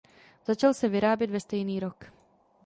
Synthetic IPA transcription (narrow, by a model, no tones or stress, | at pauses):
z̥at͡ʃalsɛvɪɾaːbjɛt̪vɛst̪ɛjniːɾo̞k